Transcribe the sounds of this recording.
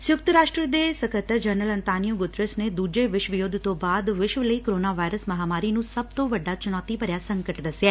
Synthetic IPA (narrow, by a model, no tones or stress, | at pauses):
sjʊk̚t̪əɾaːʃʈɾəd̪esəkət̪əɾd͡ʒəɾnələ̃nt̪aːnijuɡʊt̪ɾɪsned̪uːd͡ʒeʋɪʃʋɪjoːd̪ʱt̪obaːd̪ʋɪʃʋələikoɾoːnaʋaiɾəsmɐɦamaːɾinũsəb̚t̪oʋəɖːat͡ʃʊnɔːt̪ipəɾjasə̃ŋkəʈd̪əsjaː